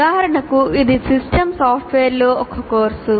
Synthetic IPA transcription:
aːɦɐɾɐɳɐkuid̪isisʈɐmsaːpʰʈʋeːɾloːɔkɐkoːɾsu

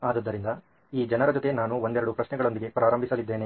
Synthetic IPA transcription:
aːd̪ɐd̪ːɐɾind̪ɐ | iːd͡ʒɛnɐɾɐd͡ʒot̪e̞naːnuond̪ɛɾɐɽupɾɐʃnɛɡɐɭo̞nd̪iɡe̞pɾaːɾɐmbʱisɐlid̪ːe̞ːne

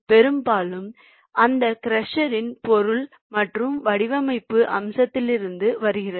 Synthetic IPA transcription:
pɛɾɯmbaːlɯm | ʔɐnd̪ɐkɪɾɐʂɐɾɪnpɔɾɯl | mɐʈrɯmʋɐɽɪʋɐmɐɪpːɯʔɐ̰msɐt̪ːɪlɪɾɯnd̪ɯʋɐɾɯɣɪrɐ

